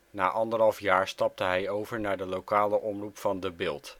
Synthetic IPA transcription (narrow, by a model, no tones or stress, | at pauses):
na̰ːʔɑndəɹɦɑlˠfjaːɹstɑp̚təɦɛjowvəɹnaːɹdəlowkaːləʔɔmrupfɑndəbɪːlˠt